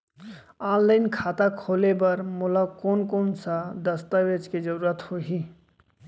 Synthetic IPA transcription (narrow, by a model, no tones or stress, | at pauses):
aːnləɪnkʰaːt̪akʰolebəɾmolakoːnkoːnsad̪əst̪aʋet͡ʃked͡ʒəɾuɾət̪hoɦi